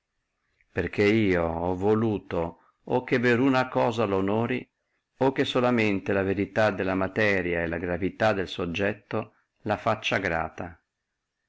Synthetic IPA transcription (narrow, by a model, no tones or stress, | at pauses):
perk̟eiːoɔvoluːt̪o | okːeveɾunakɔːzalonɔːɾi | okːesolament̪elaveɾit̪ad̪elːamat̪ɛːɾjaelaɡɾavit̪ad̪ːelsod͡ʒːɛt̪ːo | lafat͡ʃːaɡɾa̰ːt̪a